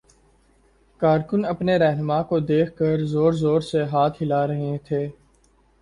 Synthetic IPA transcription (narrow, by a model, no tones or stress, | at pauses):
kaːɾkʊnɐpneɾɛɦnʊmakod̪eːkʰkəɾzoːɾzoːɾseɦaːt̪ʰɦɪlaɾɐɦẽt̪ʰeː